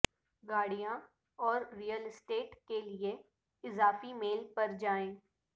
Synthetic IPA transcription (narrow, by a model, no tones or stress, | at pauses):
ɡaːɽijã | ɔːɾːijəlɪsʈeːʈkelie | ɪzaːfimeːlpɐɾd͡ʒaːẽː